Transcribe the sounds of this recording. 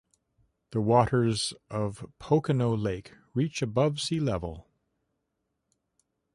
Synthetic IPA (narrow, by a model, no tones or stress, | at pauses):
ðəwɔɾə˞zʔʌv̥pʰoʊkɨnoʊleɪk | ɹit͡ʃɨbʌv̥silɛvl̩ˠ